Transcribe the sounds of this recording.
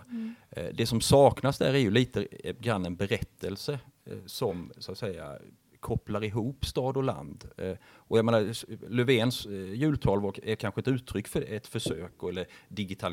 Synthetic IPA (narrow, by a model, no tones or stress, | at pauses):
d̪ɛsɔmsɑːknasd̪æ̰ɾæɾjɵliːt̪əɡɾanːɛnbɛɾɛt̪ʰːəlsəsɔmsat̪sɛja̰ | kʰɔplaɾɪɦuːpst̪ɑːd̪ɔla̰nd̪ɔjaɡmeːnaɾlɵveːnsjʉ̟ːlt̪ʰɑːlvaækʰanɧəɪnʉ̟ːt̪ʰːɾʏkːfœɛt̪fœʂøːkɔɛlːəɾd̪ɪɡɪt̪ʰal